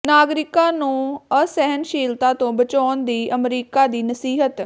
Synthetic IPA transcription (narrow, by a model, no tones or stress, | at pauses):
naːɡɾɪkãːnũːəsɛɦənʃiːlt̪aːt̪õːbət͡ʃaːnd̪iːʔəmɾiːkaːd̪iːnəsiːɦət̪